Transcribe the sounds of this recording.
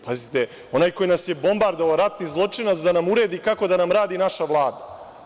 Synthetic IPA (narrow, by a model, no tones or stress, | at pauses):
pazit̪e | o̞naːjko̞jinasje̞bo̞mbaɾd̪ooɾat̪nizlˠo̞t͡ʂinat̪sd̪anamuɾe̞ːd̪ikako̞d̪anamɾaːd̪inaʃaʋlˠaːd̪a